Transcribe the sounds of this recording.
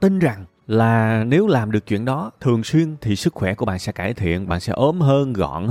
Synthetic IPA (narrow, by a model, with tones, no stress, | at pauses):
t̪i˧nza˨˩ŋ | laː˨˩ne˨˦wlaː˨˩mɗɨ˨˩ək̚t͡ɕwḭ˧˨ənɗɔ˨˦t̪ʰɨ˨˩əŋswi˧ənt̪ʰi˨˩sɨ˦˥k̚xwɛ˧˩ku˧˩əɓa̰ː˧˨nsɛ̰˧˥kaː˧˩jt̪ʰḭ˧˨ənɓa̰ː˧˨nsɛ̰˧˥ʔo˨˦mɦəː˧nɣɔ̰˧˨n